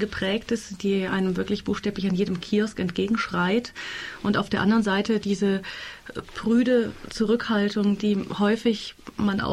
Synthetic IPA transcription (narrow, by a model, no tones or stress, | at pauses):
ɡəpʁ̥ɛːktɪstd̥iːʔaɪnəmvɪɐklɪçb̥uːxʃtɛːplɪçanjeːdəmkʰiːɔskɛntɡ̥eːɡŋ̩ʃʁ̥aɪtʔʊntʔaʊfd̥eːɐʔandəʁənzaɪtədiːzə | pʁ̥yːdət͡suʁʏkhaltʊŋd̥iːhɔʏfɪçmanʔa̰